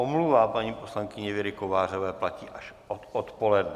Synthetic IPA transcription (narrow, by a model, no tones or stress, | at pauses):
omluvaːpaɲiːpo̞slaŋkɪɲɛvɪɾɪkovaːr̝ovɛːplaciːʔaʃ | ot̪ot̪po̞lɛdnɛ